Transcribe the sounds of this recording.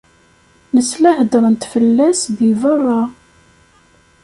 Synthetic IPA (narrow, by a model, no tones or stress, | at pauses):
nəslæħəd̪ɾˤənt̪fəlːæsðivərˤːɑ